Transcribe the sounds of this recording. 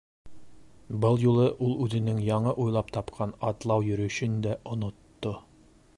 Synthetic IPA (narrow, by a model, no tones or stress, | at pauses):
bɤlˠjulˠɤʔulˠʉðɘ̆nɘŋjɑɴɤʔujlˠɑp̚t̪ɑpqʰɑnɑt̪lˠɑwjɵ̆ɾɵ̆ɕɵnd̪æʔŏnŏt̪ːo